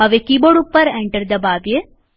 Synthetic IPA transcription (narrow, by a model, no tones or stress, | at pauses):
ɐʋekiboɽupːɐɾeɳʈəɾd̪ɐbaːbje